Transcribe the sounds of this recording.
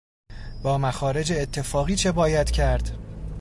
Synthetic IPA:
bɒːmæxɒːɾe̞d͡ʒeːt̪ʰːe̞fɒːɣiːt͡ʃʰe̞bɒːjæd̪̥cʰæɾd̪̥

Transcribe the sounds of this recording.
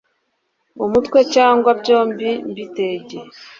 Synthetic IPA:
omutwe̞caːŋɡwabɟo̞ːmbimbite̞ːɟe

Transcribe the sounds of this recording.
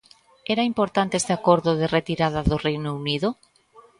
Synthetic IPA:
ɛɾaimpoɾt̪ant̪eest̪eakoɾðʊðeret̪iɾaðaðʊrejnouniðʊ

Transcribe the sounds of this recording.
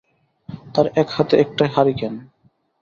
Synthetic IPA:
t̪aɾɛkhat̪eɛk̚ʈajɦaɾikɛn

